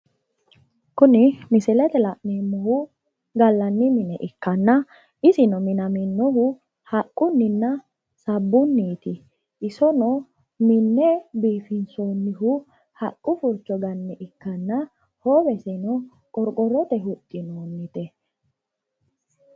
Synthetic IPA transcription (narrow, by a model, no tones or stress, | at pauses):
kʊnɪmɪsɪlɛt̪ɛlɐʔnemːɔhʊ | ɡɐlːɐnːɪmɪnɛʔɪkːɐnːɐ | ʔɪsɪnɔmɪnɐmɪnːɔhʊ | hɐkʼːʊnːɪnːɐ | sɐbːʊnːiːt̪ɪ | ʔɪsɔnɔ | mɪnːɛbiːfɪnsoːnːɪɦʊ | hɐkʼːʊfʊɾt͡ʃːɔɡɐnːɛʔɪkːɐnːɐ | hoːbɛsɪnɔ | kʼɔɾkʼɔɾɔt̪ɛɦʊt̪ʼːɪnoːnːɪt̪ɛ